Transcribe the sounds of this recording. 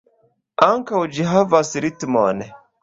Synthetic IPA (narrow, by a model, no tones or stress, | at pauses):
aŋkaud͡ʒiɦavasiɾitimɔ̰nɛ